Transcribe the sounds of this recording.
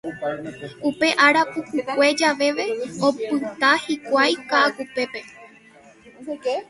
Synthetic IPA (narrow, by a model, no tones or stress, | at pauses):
upe̞ʔaɾapukukʷe̞d͡ʒaʋe̞ʋe̞opɨt̪ahikʷajkakupe̞pe̞